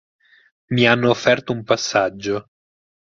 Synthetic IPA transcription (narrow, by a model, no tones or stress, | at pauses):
mianːoːfːɛrt̪oumpasːad͡ʒːo